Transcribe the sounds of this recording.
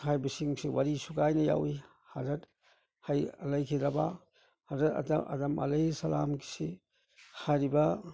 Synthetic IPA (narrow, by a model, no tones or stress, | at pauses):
hajbisiŋsiwaɾisuɡajnɐja̰wi | hɐzɐt | hajlɐjkʰidɾɐba | hɐzɾɐtɐ̰dɐʔɐ̰dɐmʔɐ̰lejisɐlamki̥si | hajɾibɐ